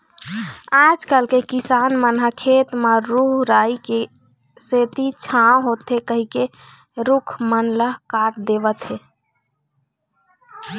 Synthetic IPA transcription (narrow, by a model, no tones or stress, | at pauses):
ad͡ʒkəlkekisanmənɦəkʰet̪məɾuɦɾaike | set̪it͡ʃʰãɦot̪ɦekəɦike | ɾukʰmənləɦkaɾd̪ebət̪ɦe